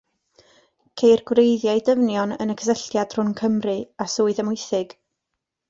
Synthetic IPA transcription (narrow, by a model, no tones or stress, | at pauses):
kʰejrɡwrejðjajdəvnjɔnə̰nəkʰə̥səɬtjad̥r̥ʊnkʰəmrɨasuːɨðəmʊjθɪɡ̥